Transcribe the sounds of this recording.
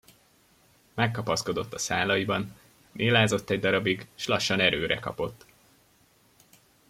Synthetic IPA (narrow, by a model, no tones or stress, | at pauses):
mɛkːɒpɒsko̞d̪o̞t̪ːɒsaːlɒjibɒn | mʔeːlaːzo̞t̪ːɛɟd̪ɒɾɒbiɡʃlɒʃːɒnɛɾøːɾɛ̰kɒ̰po̞t̪ː